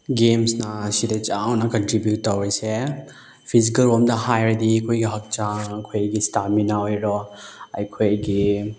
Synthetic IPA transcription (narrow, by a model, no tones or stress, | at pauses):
ɡemsnasidet͡ʃawnakɔntɾibjutːawɾise | pʰizikɐlwɔmdahajɾdikʰojɡiɦɔk̚t͡ʃakʰojɡistaminaojɾɔajkʰojɡi